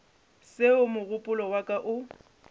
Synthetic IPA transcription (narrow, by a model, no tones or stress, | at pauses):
sɪʊmʊɣʊpʼʊlɔwakʼaʔʊ